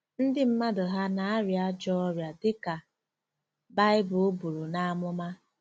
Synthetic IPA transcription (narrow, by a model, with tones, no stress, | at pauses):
n̩˦dɪ˦m̩˦ma˦dʊ˨ɦa˦na˨a˦ɾja˦d͡ʒɔ˦ɔ˦ɾja˨dɪ˦ka˨ | ba˦ɪ˦bʊ˨o˦bu˨ɾu˨na˨a˦mʊ˦ma˦